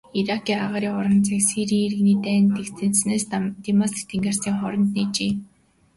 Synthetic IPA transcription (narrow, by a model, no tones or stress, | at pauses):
iɾakiːaʁaːɾiːɔɾə̆nt͡sʰaksiɾiːeɾɘ̆ɣniːt̪æːnt̪ekt̪ʰɘ̆nsneːst̪imɔsk̚t̪ʰeŋɡeːrsiːŋχɔɾɞ̆nt̪niːt͡ɕiː